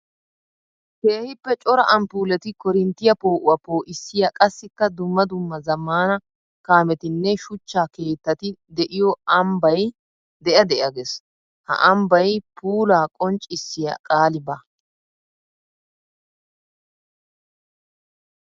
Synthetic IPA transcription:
keːhɪpːɛt͡ʃʼɔɾɐʔɐmpuːlɛt̪ɪkɔɾɪnt̪ːɪjɐpo̞ːʔʊwɐpo̞ːʔɪsːɪjɐkʼɐsːɪkːɐd̪ʊmːɐd̪ʊmːɐzɐmːaːnɐ | kaːmɛt̪ɪnːɛʃʊt͡ʃːaːke̞ːt̪ːɐt̪ɪd̪ɛʔɪjɔɐmbɐj | d̪ɛʔɐd̪ɛʔɐɡes | hɐ̰ʔɐmbɐjpuːlaːkʼɔnt͡ʃʼːɪsːɪjɐ̰kʼaːlɪba

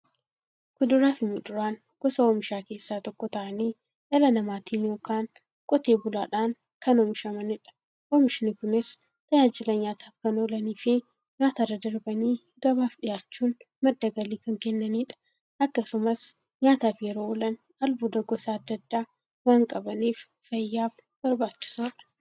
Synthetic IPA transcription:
kʊd̪ʊɾaːfɪmʊd̪ʊɾaːn | ɡ̥ɔsɐoːmɪʃaːke̞ːsːaːt̪ɔkːɔt̪ɐʔɐniː | ʔɐlɐnɐmaːt̪ʰiːnjo̞ːkaːn | kʼɔt̪eːbʊlaːᶑaːn | kɐnoːmɪʃɐmɐnɪᶑɐ̥ | ʔomɪʃɪnɪkʊnɪs | t̪ɐjaːd͡ʒɪlɐɲaːt̪ʰaːkɐnoːlɐniːfɪ | ɲaːt̪ɐrɐd̪ɐɾbɐniː | ɡɐβaːfᶑɪjaːt͡ʃːuːn | mɐd̪ːɐɡɐliːkɐŋkɛnːɐniːᶑɐ̥ | ʔɐkːɐsʊmɐs | ɲaːt̪aːfjɛɾoːɔlɐn | ɐlbʊd̪ɐɡɔsaːɐd̪ːɐd̪ːaː | waːŋkʼɐbɐniːf | fɐjːaːf | b̥ɐɾbaːt͡ʃːɪ̥soːᶑɐ̥

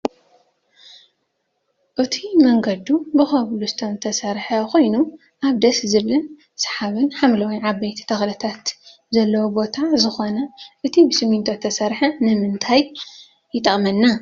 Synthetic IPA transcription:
ʔɨt̪ʰimɐŋɡɐd̪ubɨxɐβlusɨ̥t̪ʰomt̪ʰɐsɐɾħɐko̞jnu | ʔaβd̪ɐszɨβlɨn | sɐ̥ħaβɨnħamlɐwiʕabɐjt̪ʰi̥t̪ʰɐxlɐt̪ʰat̪ | zɐlːɐwobo̞t̪ʰazɨxo̞nɐʔɨt̪ʰibɨsɨmint̪ʰot̪ʰːɐsɐɾħɐnɨmɨnt̪ʰajː | ɪt̪ʼːɐχʼmɐnːa

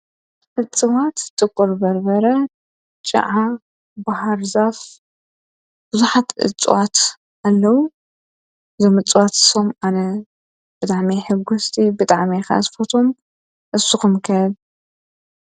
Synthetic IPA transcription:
ʔɨt͡sʼːɨwat̪t̪ʼːɨkʼoɾbɐɾbɐɾɐ | t͡ʃʼɨ̰ʕa | bahaɾzaf | b̥ɨzuħat̪ʔɨ̰t͡sʼːɨ̰wat̪ | ʔalːɐwu | ɨzomɨt͡sʼːɨwat̪ɨ̥somanɐ | b̥ɨt̪ʼaʕmiħɨɡust̪ʰibɨt̪ʼaʕmixɐ̰ʔa̰t̪fot̪ʰo̞m | ʔɨsuxɨmkʰɐd

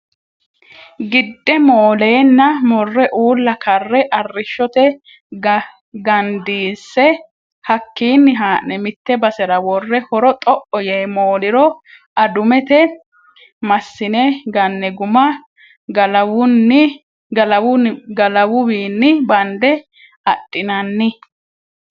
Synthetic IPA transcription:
ɡɪd̪ːɛmoːleːnːɐmɔrːɛʔuːlːɐkɐrːɛʔɐrːɪʃːɔt̪ɛ | ɡɐnd̪iːsːɛ | hɐkːiːnːɪɦaːʔɛmɪt̪ːɛbɐsɛɾɐwɔrːɛhɔɾɔt̪ʼɔʔɔjeːmoːlɪɾɔ | ɐd̪ʊmɛt̪ɛ | mɐsːɪnɛɡɐnːɛɡʊmɐ | ɡɐlɐwʊnːɪ | ɡɐlɐwʊɡɐlɐwʊwiːnːɪbɐnd̪ɛ | ɐtʼːɪnɐnːɪ

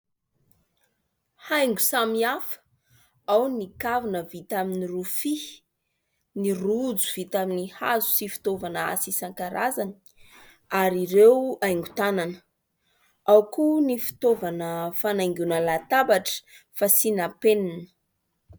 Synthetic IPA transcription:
hajŋɡu̥samiafə̥ | awnikavinəvit̪aminirufi | nirud͡zuv̥it̪aminiha̰zu̥sifi̥t̪ovana̰sisaŋkaɾazani | aɾiɾewajŋɡut̪ananə | awkunifi̥t̪ovanəfanajŋɡunəlat̪abaʈ͡ʂə̥ | fasinapeninə̥

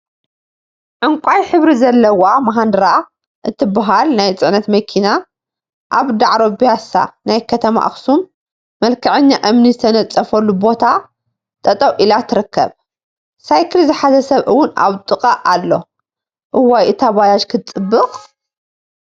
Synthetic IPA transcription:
ʕɨŋkʷʼajħɨβɾizɐlːɐwamaɦand̪ɨɾa | ʔɨt̪ʰibaɦalnajt͡sʼɨʕnɐt̪mɐkʰina | ʔaβd̪aʕɾobijasa̰najkʰɐt̪ʰɐma̰ʔa̰xsumː | ɐlkʰɐʕɨɲːaʔɨmnizɨt̪ʰɐnɐt͡sʼːɐfɐlːubo̞t̪ʰa | t̪ʼɐt̪ʼɐwʔilat̪ʰɨɾɨkʰːɐ̰β | sajkʰɨlzɨħazɐsɐβɨwːʊna̰βt̪ʼɨqʼɐʔalːo̞ | ʔɨwajʔɨt̪ʰaβajat͡ʃkʰɨt͡sʼɨbːɨqʼ

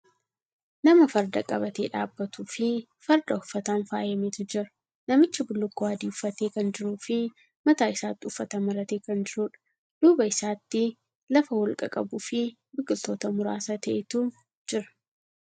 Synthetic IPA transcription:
nɐmɐfɐɾd̪ɐkʼɐbɐt̪eːᶑa̰ːbːɐt̪uːfɪ | fɐɾd̪ɐʊfːɐt̪aːnfaːjɐmeːt̪ʊd͡ʒɪɾɐ̥ | nɐmɪt͡ʃːɪbʊlːʊkːoaːd̪iːʊfːɐt̪e̞ːkɐnd͡ʒɪɾuːfɪ | mɐt̪aːɪsaːt̪ːɪʊfːɐt̪ɐmɐɾɐt̪eːkɐnd͡ʒɪɾuːᶑɐ̥ | d̪̥uːbɐɪsaːt̪ːɪ | lɐfɐwɔlkʼɐkʼɐbuːfɪ | bɪkːɪlt̪o̞ːt̪ɐmʊɾa̰ːsɐt̪ɐʔɛt̪u | d͡ʒɪɾɐ̥

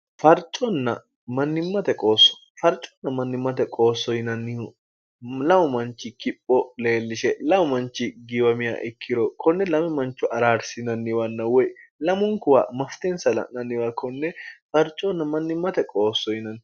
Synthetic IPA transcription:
fɐɾt͡ʃʼːɔnːɐ | mɐnːɪmːɐt̪ɛkʼo̞ːsːɔ̥ | fɐɾt͡ʃʼːɔ̥nːɐmɐnːɪmːɐt̪ɛkʼo̞ːsːɔhɪnɐnːɪh | lɐwɔmɐnt͡ʃːɪkɪpʼːɔle̞ːlːɪʃɛlɐwʊmɐnt͡ʃːɪɡɪwɐmɪja̰ʔɛkʰːɪɾɔkʰɔnːɛlɐmɛmɐnt͡ʃːʊʔɐɾaːɾsɪnɐnːɪwɐnːɐwɔjlɐmʊŋkʊwa̰ːmɐft̪ɛnsɐlɐ̰nɐnːɪwɐkʰɔnːɛfɐɾt͡ʃʼːɔnːɐmɐnːɪmːɐt̪ɛkʼoːsːɔjɪnɐn

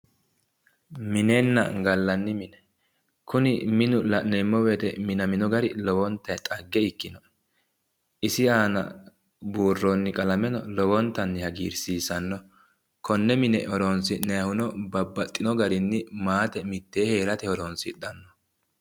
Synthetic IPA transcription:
mɪnɛnːɐ̰ɡɐlːɐnːɪmɪnɛ | kʰʊnɪmɪnʊlɐʔnɛmːɔweːt̪ɛmɪnɐmɪnɔɡɐɾɪlɔwɔnt̪ːɐjt̪ʼɐɡːɛɪkːɪnɔ | ɪsɪaːnɐ̰ | buːrːonːɪkʼɐlɐmɛnɔlɔwɔnt̪ːɐnːɪhɐɡḭːɾsiːsɐnːɔ | kʰɔnːɛmɪnɛɔɾoːnsɪnɛɐhʊnɔbɐbːɐt̪ʼːɪnɔɡɐɾɪnːɪmaːt̪ɛmɪt̪ːe̞ːheːɾɐt̪ɛhɔɾoːnsɪᶑ̪ɐnːɔ

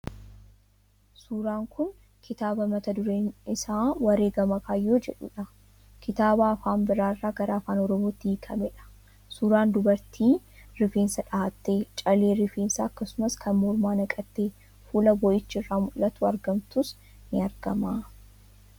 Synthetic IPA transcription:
suːɾaːŋkʊn | kʰɪt̪aːbɐmɐt̪ɐd̪ʊɾeːnɪsaːwɐɾeːɡɐmɐkaːjːoːd͡ʒɛᶑʊ̰ᶑɐ | kʰɪt̪aːbaːɐfaːnbɪɾaːɪrːaːɡɐɾaːfaːnɔɾɔmoːt̪ːiːkʰɐmɛᶑɐ̥ | suːɾaːnd̪ʊbɐɾt̪ʰiːɾɪfe̞ːnsɐᶑaːt̪ːe̞ːt͡ʃʼɐleːɾɪfeːnsɐɐkːɐsʊmɐskʰɐnmɔɾmaːnɐkʼɐt̪ːeː | fuːlɐbɔʔɪt͡ʃːɪrːaːmʊlːɐt̪ʊɐɾɡɐmt̪ʊs | nɪɐɾɡɐmaː

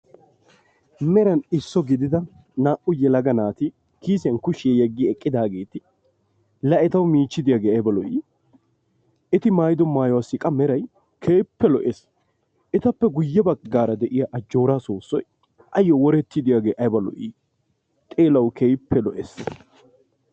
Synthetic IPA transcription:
mɛɾɐnɪsːɔɡɪd̪ɪd̪ɐ | naːʔʊjɛlɐɡɐnaːt̪ɪ | kiːsɪjɐnkʊʃɪjɛjɛɡːɪɛkʼːɪd̪aːɡe̞ːt̪ɪ | lɐʔɛt̪ɐwmiːt͡ʃːɪd̪ɪjaːɡeːɐjbɐlɔʔiː | ɪt̪ɪmaːjɪd̪ɔmaːjɔwaːsɪkʼɐmɛɾɐj | kʰeːpːɛlɔʔes | ɛt̪ɐpːɛɡʊjːɛbɐɡːaːɾɐd̪ɛʔɪjaʔɐd͡ʒːo̞ːɾaːsoːsːɔj | ɐjːɔwɔɾɛt̪ːɪd̪ɪjaːɡeːʔɐjbɐlɔ̰ʔiː | t̪ʼe̞ːlɐwkʰeːjpʰːɛlɔʔɛ̰sː

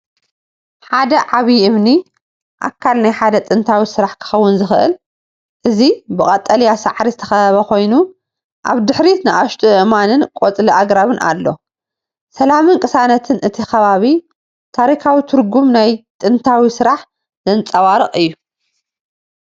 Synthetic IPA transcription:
ħad̪ɐʕaβiɨmni | ʔa̰kʰːalnajħad̪ɐt̪ʼɨnt̪ʰawisɨɾaħkʰɨ̥xɐwːʊnzɨxʔɨ̰l | ʔɨzibɨkʼɐt̪ʼːɐljasaʕɾizɨt̪ʰɐ̥xɐɐβɐko̞jnu | ʔa̰βd̪ɨħɾinɨʔaʃt̪ʰiɨʔmanɨnkʼot͡sʼliʔaɡɾaβɨnʔa̰lːo̞̰ | sɐlamɨnkʼɨsanɐt̪ʰɨnʔɨt̪ʰixɐβaβi | t̪ʰaɾikʰawit̪ʰɨɾɡumnajt̪ʼɨnt̪ʰawisɨɾaħ | zɐnt͡sʼɐwaɾɨχʼɨjːu

